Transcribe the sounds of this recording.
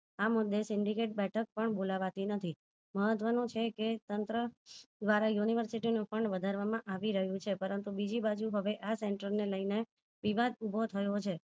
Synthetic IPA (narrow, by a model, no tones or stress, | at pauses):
amʊd̪ʱːesɪɳɖikeʈ̚bɛʈʰək̚pəɳbolaʋat̪inət̪ʰi | məɦət̪ʋənõt͡ʃʰeket̪ənt̪ɾəd̪ʋaɾajuniʋəɾsiʈinũfəɳɖʋəd̪ʱaɾʋamãʔaʋiɾəɦjũt͡ʃʰepəɾənt̪ubid͡ʒibad͡ʒuɦəʋeʔaseɳʈəɾneləine | ʋiʋad̪ubʱot̪ʰəjot͡ʃʰe